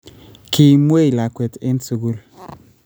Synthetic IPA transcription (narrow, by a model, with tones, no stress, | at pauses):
kʰi˨mwe˦i˨la˨kwe˨tɪ˦nsu˨ɡu˦l